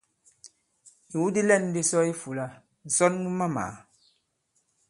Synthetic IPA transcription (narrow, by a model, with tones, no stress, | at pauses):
i˨wu˦di˦lɛ˦˨n˦di˦sɔ˦i˦fu˨la˦ | n̩˨sɔ˦nmu˦ma˦ma̰˨